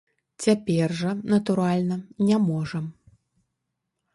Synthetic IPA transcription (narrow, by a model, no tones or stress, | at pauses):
t͡sʲapʲɛrʐɐnɐt̪uɾalʲnɐnʲamɔʐɐm